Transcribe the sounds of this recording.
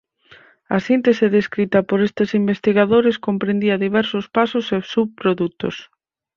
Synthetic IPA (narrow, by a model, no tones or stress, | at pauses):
ɐsint̪eseðeskɾit̪ɐpoɾest̪esimbest̪iɣaðoɾɪskompɾẽnd̪iɐðiβɛɾsospasʊsesuβpɾoðut̪o̰s